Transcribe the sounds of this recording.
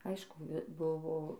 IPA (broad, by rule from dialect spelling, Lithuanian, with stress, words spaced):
ˈɐɪʃkʊ ˈbʊʋoː